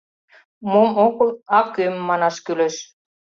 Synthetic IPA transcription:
momoklɑkømːɑnɑʃkyleʃ

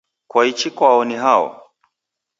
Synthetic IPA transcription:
kwait͡ʃikwaɔniɦaɔ̰

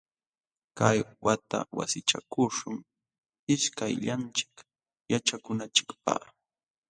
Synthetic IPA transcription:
kajwat̪a̰wa̰sɪt͡ʃakʊʃʊŋ | ɪʃkajʎant͡ʃɪ̥k | jat͡ʃakʊnat͡ʃɪ̥kpa̰

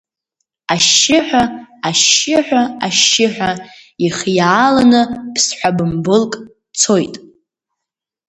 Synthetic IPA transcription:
aʃːɪħᶣʷaaʃɪħʷᶣaaʃːɪħʷᶣaiχjaːlanɨpʰsħʷabɨmbɨlkʼ | t͡sʰojtʼ

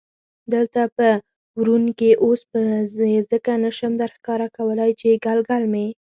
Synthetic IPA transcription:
d̪əlt̪apə | wɾunkeʔospəzezəkanaʃəmd̪aɾxkɑɾakawəlajt͡ʃeɡalɡalme

